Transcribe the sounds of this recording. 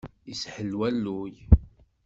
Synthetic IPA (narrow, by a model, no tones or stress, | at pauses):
isħəlwælːuj